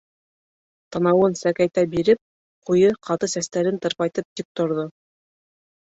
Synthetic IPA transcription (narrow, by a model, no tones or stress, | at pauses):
t̪ɑnɑwɤnsækæjt̪æbiɾɘp̚ | qujɤqɑt̪ɤsæst̪æɾɘnt̪ɤ̆ɾpɑjt̪ɤp̚t̪ip̚t̪ŏɾðo